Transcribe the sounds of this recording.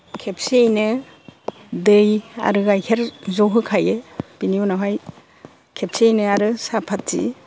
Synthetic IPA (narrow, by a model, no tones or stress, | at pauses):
kʰep̚siejnɯ | dɯja̰ɾɯɡajkʰeɾzɔɦɯkʰajebiniunaɦaj | kʰep̚siejnɯaɾɯsapʰat̚ːḭ